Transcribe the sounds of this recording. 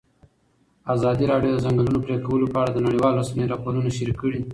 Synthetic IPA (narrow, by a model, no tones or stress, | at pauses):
azɑd̪iɾɑɖjod̪əzaŋɡəlunopɾekawəlopəaɽad̪ənaɽiwɑlosmeɾɑpoɾunaʃiɾikːəɽi